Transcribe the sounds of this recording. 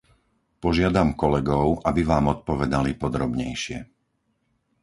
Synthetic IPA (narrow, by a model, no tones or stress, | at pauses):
pɔʒɪad̪amkɔlɛɡɔʊʔabiʋaːmɔt̪̚pɔʋɛd̪alipɔd̪ɾɔbɲɛjʃɪɛ̰